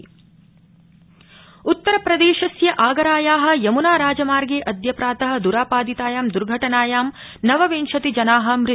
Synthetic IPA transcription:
ut̪ːɐɾɐpɾɐd̪eːʃɐsjɐʔaːɡɐɾaːjaːɦɐ̆jɐmunaːɾaːd͡ʒɐmaːɾɡeːʔɐd̪ʱjɐpɾaːt̪ɐɦɐ̆d̪uɾaːpaːd̪it̪aːjaːmd̪uɾɡʱɐʈɐnaːjaːm | nɐʋɐʋeːnʃɐt̪id͡ʒɐnaːɦɐ̆mɾɪ

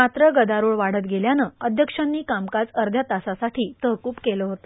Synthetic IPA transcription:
at̪ɾəɡəd̪aɾuɭʋaɽ̤ət̪ɡeljanəːəd̪ʱjəkʂanːiːkamkat͡səɾd̪ʱjat̪asasaʈʰiːt̪əɦkuːpkeləːɦot̪o

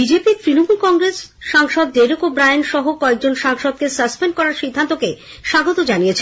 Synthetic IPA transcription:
bid͡ʑepit̪ɾinomulkɔŋɾesʃaŋʃɔd̪ːeɾokobɾajnʃɔɦokɔek̚d͡ʑonʃaŋʃɔd̪̚kesəspenɖkɔɾaɾʃid̪ʱːant̪oke | ʃaɡot̪od͡ʑaniet͡ɕʰe

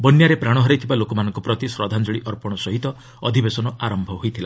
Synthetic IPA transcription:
bɔnjaɾepɾaɽ̃ɔɦɔɾejt̪ʰibalokɔmanɔŋkɔpɾɔt̪isɾɔd̪ʱand͡ʒɔɭiʔɔɾpɔɽ̃ɔsɔɦit̪ɔ | ɔd̪ʱibesɔnɔaɾɔmbʱɔɦojt̪ʰila

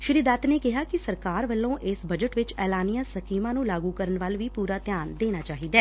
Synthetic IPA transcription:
ʃɪɾiːd̪aːt̪neːkɪɦaːkɪsəɾkaːɾʋəlːõːʔɪsbəd͡ʒəʈʋɪt͡ʃɛːlaːnijãːsəkiːmãːnũːlaːɡuːkəɾənʋalʋiːpuːɾaːt̪jaːnd̪eːnaːt͡ʃaːɦiːd̪ɛː

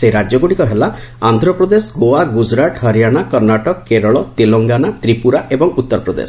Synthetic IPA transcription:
seɾad͡ʒɔɡoɽikɔɦelaand̪ʱɾɔpɾɔd̪esɡoaɡud͡ʒɾaʈɦʌɾijaɽ̃akʌɾnaʈɔkkeɾɔɭɔt̪eloŋɡanat̪ɾipuɾaʔebɔŋut̪ːɔɾpɾɔd̪ḛs

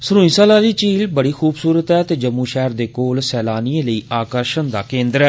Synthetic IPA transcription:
səɾũːĩːsaːlaːliːt͡ʃiːlbəɽiːxʰuːbsuːɾət̪ɦɛːt̪eːd͡ʒəmːũːʃɛːɾd̪eːkoːlsɛːlaːniːẽːləiːʔaːkəɾʃənd̪aːkẽːnd̪əɾɛː

